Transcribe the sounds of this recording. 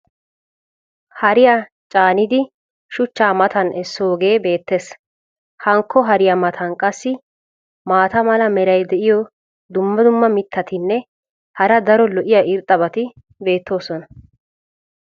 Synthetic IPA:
hɐɾɪjaː | t͡ʃʼaːnɪd̪ɪ | ʃʊt͡ʃːaːmɐt̪ɐnʔɛsːoːɡe̞ːbe̞ːt̪ːes | hɐŋkʰːɔɦɐɾɪjamɐt̪ʰɐnkʼɐsːɪ | maːt̪ɐmɐlɐmɛɾɐjd̪ɛʔɪjɔ | d̪ʊmːɐd̪ʊmːɐmɪt̪ʰːɐt̪ɪnːɛ | hɐɾɐd̪ɐɾɔlɔʔɪjaʔɪɾt̪ʼːɐbɐt̪ɪ | be̞ːt̪ʰːo̞ːsɔnɐ

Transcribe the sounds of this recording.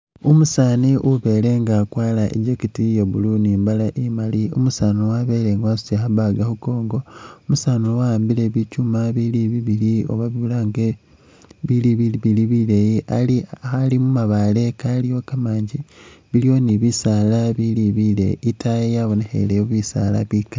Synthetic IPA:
umusaːniʔuβe̞ːle̞ŋɡakwaːlaʔḛɟokitijeβuluniːmbalaʔemaliṵmusaːnowaβeːleŋɡasu̥exaβaɡahuko̞ːŋɡo̞omusaːnowaaːmbileβicumaβiliβiβiɾio̰βaβiβulaŋɡe | βiliβiβiliβilejiaialimumaβale̞kalijo̞kamaːɲɟiβilio̞niβisalaβiliβilḛitajejaβonexḛleβuβisa̰la̰βika

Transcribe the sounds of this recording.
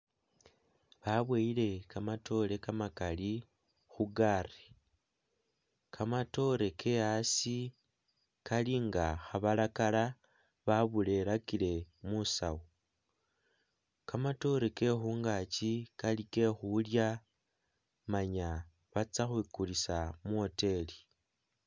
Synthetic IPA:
βaβweile̞kamatʰo̞le̞kamakali | xuɡare | kʰamato̞ɾe̞kʰe̞asi | kaliŋɡaxaβalakala | βaβule̞lakile̞musa̰wo | kamato̞ɾeke̞xuːŋɡat͡ʃikalike̞xulja | maɲa | βat͡saxwiːkulisamuo̞te̞li

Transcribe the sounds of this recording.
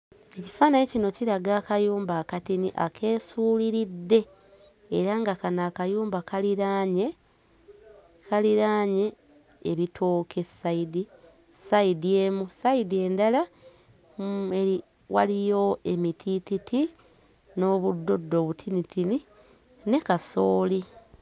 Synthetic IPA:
e̞ci̥faːnajecino̞ciɾaɡaːkajuːmbaːkatiniʔa̰kʰe̞ːsuːliɾidːe̞ː | ɾaŋɡakanaːkajuːmbakaliɾaɲe̞ | kaliɾaːɲe̞ː | βitʰo̞ːkʰe̞sːaidi | saidie̞musaidie̞ːndala | ei | wa̰lijo̞ʔe̞mitʰititʰi | no̞βudːo̞dːo̞βutʰinitʰini | ne̞kasoːli

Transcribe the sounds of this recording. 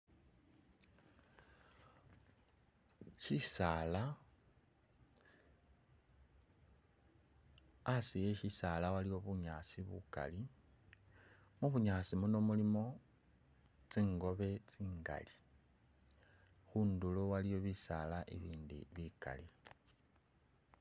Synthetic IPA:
ʃisala | sijeʃisaːlawaliwo̞βuɲaːsiβṵka̰li | muβuɲaːsimunomulimo̞ | t͡siːŋɡo̞βe̞t͡siːŋɡa̰li | xuːndulowalijo̞βisalaʔḭβiːndḭβika̰li

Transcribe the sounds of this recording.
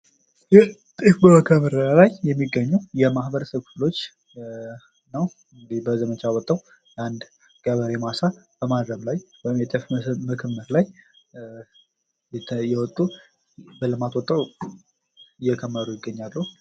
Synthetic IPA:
jɛ | t̪ʼifbəməkʰəməɾlajjɛmːiɡːəɲːəwjɛmahbəɾəsəbkʰɨflo̞t͡ʃː | nəw | ɨŋɡɨd̪ibəzəmət͡ʃʰawɔt̪ʼːəw | land̪ | ɡ̥aβəɾemasab̥əmad̪ɾəmlajwɔjɪmjɛt̪ʼifməkʰəmːəɾlaj | jɛwɔt̪ʼːu | bəlɨmat̪wɔt̪ʼːəw | ɪjːɛkʰəmːəɾujɪɡːəɲːalːəhu

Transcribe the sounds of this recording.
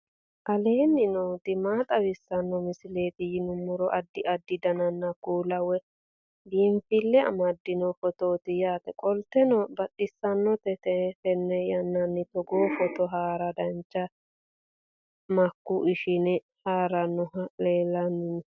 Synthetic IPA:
ʔɐle̞ːnːɪnoːt̪ɪmaːt̪ʼɐwɪsːɐnːɔmɪsɪle̞ːt̪ɪjɪnʊmːʊɾɔʔɐd̪ːɪʔɐd̪ːɪd̪ɐnɐnːɐkuːlɐwɛ | diːmfɪlːɛɐ̰mɐd̪ːɪnɔfɔt̪oːt̪ɪjaːt̪ɛkʼɔlt̪ɛnɔbɐtʼːɪsːɐnːɔt̪ɛtɛfɛnːɛjɐnːɐnːɪt̪ɔɡoːfɔt̪ɔɦaːɾɐd̪ɐnt͡ʃːɐ | mɐkːuʔɪʃɪnɛ | haːɾɐnːɔleːlɐnːɪn

